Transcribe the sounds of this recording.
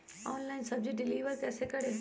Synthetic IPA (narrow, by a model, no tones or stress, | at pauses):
ɔːnlaːɪnsɐb̚d͡ʑuɖɪliːʋəɾkɛːsekɐɽe